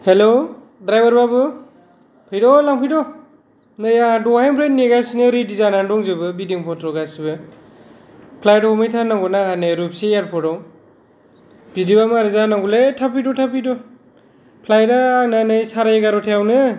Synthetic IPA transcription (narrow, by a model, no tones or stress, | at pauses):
helo | dɾajbaɾbabɯ | pʰɯjdɔlaŋpʰijdɔ | nɯjadɔhajmpʰɾennːeɡasinɯɾidizanandɔŋzɯbɯbidiŋpʰɔtʰɾɔɡasibɯ | pʰlajdɔmijtʰanaŋɡɔnahanɯɾup̚sejaɾpʰɔɾɔw | bidibamaɾɯzanaŋɡuletʰapidɔtʰapidɔ | pʰlajdaːnanɯjsaɾajeɡaɾɔtʰajawnɯ